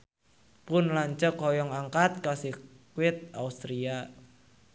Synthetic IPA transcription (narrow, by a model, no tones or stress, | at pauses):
pʊnlaɲt͡ʃəkɔjɔŋaŋkat̪̚kasikwɪt̪̚aust̪ɾia